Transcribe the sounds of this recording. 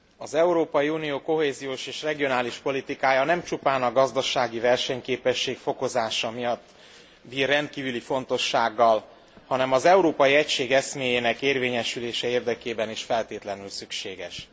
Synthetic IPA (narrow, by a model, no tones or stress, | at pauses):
ɒzɛuɾoːpɒjiunijoːko̞ɦeːzijoːʃeːʃrɛɡijo̞naːliʃpo̞lit̪ikaːjɒnɛmt͡ʃupaːnɒɡɒzd̪ɒʃaːɡivɛrʃɛɲkeːpɛʃːeːkfo̞ko̞zaːʃɒmijɒt̪ː | biːrːɛnt̪̚kiːvylifo̞nt̪o̞ʃːaːɡːɒl | hɒnɛmɒzɛuɾoːpɒjiɛcʃeːɡɛsmeːjeːnɛkeːrveːɲɛʃyleːʃɛeːrd̪ɛkeːbɛniʃfɛlt̪eːt̪lɛnylsykʃeːɡɛ̰ʃ